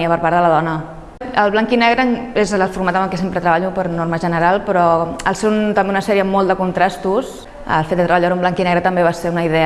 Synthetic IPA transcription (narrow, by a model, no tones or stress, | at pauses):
iəpəɾpaɾðələðɔnə | əlˠβlaŋkinɛɣɾənezəlˠfuɾmat̪əmbəlˠkɛsempɾət̪ɾəβaʎupəɾnoɾməʒənəɾalˠpɾɔəlˠseɾunt̪əmbeunəsɛɾiəmɔlˠd̪əkunt̪ɾast̪us | ə̰lˠfet̪d̪ət̪ɾəβaʎaɾumblaŋkinɛɣɾət̪əmbeβaseunəiðɛ